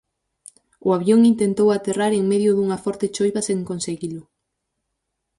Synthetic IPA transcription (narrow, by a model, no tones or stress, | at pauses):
ʊaβjoŋint̪ent̪owat̪eraɾeŋmeðjʊðuŋafɔɾt̪et͡ʃojβaseŋkonseɣilʊ